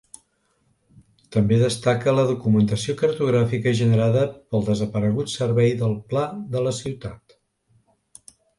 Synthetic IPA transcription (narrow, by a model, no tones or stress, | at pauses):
t̪əmbeðəst̪akələðukumənt̪əsiokərt̪uɣ̞ɾafikəʒənəɾaðəpəlˠd̪əzəpəɾəɣ̞ut̪sərβɛjðəlˠplaðələsiwt̪at̪